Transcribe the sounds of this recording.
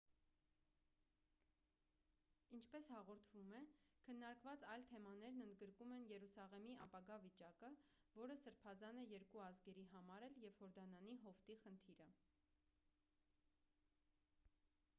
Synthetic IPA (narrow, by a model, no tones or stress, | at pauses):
int͡ʃʰpɛshɑʁɔɾt̪ʰvumɛkʰənːɑɾkvɑt͡sɑjlt̪ʰɛmɑn̪ɛɾnənd̪ɡəɾkumɛnjɛɾusɑʁɛmiɑpɑɡɑvit͡ʃɑkə | vɔɾəsəɾpʰɑzɑnɛjɛɾkuɑzɡɛɾiɦɑmɑɾɛljɛv̥hɔɾd̪ɑnɑniɦɔft̪iχənt̪ʰiɾə